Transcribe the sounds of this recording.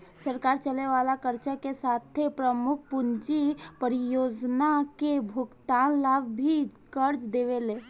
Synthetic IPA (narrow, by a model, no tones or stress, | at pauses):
səɾkaːɾt͡ʃəleʋalakəɾt͡ʃakesat̪ʰepɾəmʊk̚ʰpund͡ʒipəɾijod͡ʒnakebʱuɡt̪anlabbʱi | kəɾd͡ʒd̪eʋeleː